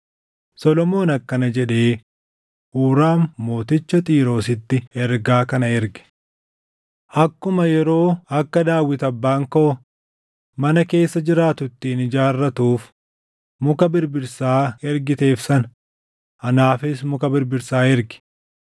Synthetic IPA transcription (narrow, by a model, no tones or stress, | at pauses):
sɔlɔmo̞ːnɐkːɐnɐd͡ʒɛᶑe̞ː | ʔuːɾaːmːo̞ːt̪ɪt͡ʃːɐt̪ʼiːɾo̞ːsɪt̪ːɪɛɾɡaːkɐnɐɛɾɡɛ̥ | ʔɐkːʊmɐjɛɾo̞ːɐkːɐd̪aːwːɪt̪ɐbːaːŋko | mɐnɐke̞ːsːɐd͡ʒɪɾaːt̪ʊt̪ːɪːnɪd͡ʒaːrːɐt̪uːf | mʊkɐbɪɾbɪɾsaːɛɾɡɪt̪e̞ːfsɐn | ɐnaːfɪsmʊkɐbɪɾbɪɾsaːɛɾɡɪ̥